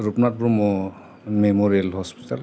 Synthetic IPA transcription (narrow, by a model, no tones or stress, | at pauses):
ɹupnat̚buɹmɔ | memɔɹialhɔspi̥tal